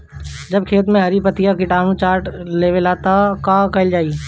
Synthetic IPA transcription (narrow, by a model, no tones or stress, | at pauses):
d͡ʒɐbkʰeːt̪mẽɦɐɾipɐt̪ijakiʈaːmũt͡ʃaːɾʈleːʋelaːt̪akakɐɪld͡ʒaːiː